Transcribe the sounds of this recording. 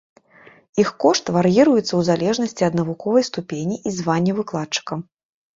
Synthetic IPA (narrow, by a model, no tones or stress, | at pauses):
ixkɔʂt̪varjiɾujɛt̪sɐwzalʲɛʐnɐsʲt͡sʲiɐd̪nɐvukɔvɐjst̪upʲenʲiʔizvanʲːɛvɨklˠatt͡ʂɨ̥kɐm